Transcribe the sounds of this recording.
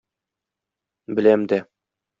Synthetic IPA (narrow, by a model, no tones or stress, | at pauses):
bɘ̆læmd̪æ